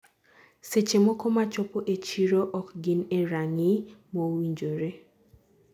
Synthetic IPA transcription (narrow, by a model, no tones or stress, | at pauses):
set͡ʃemɔkɔmat͡ʃɔpoʔet͡ʃiɾoʔɔkɡɪneɾaŋɪmowiɲd͡ʒoɾe